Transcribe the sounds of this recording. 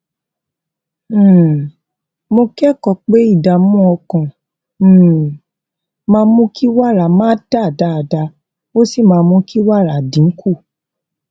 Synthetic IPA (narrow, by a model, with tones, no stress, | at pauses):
mo˧kɛ˦kɔ˨k͡pe˦i˦˨da˨mũ˦ɔ˧kã˨˦˨ | mãː˧mũ˦ki˦wa˦˨ɾa˨mãː˦da˦˨da˨˦a˨da˧ | o˦si˦˨mãː˧mũ˦kʰi˦wa˦˨ɾa˨dĩ˨˦ku˦˨